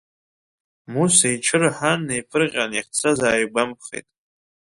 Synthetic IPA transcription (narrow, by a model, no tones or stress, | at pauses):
musaiʈ͡ʂʰɨrħanːejfʰɨrqʲʼaniχt͡sʰazaːjbamp̚ʰχḛjtʼ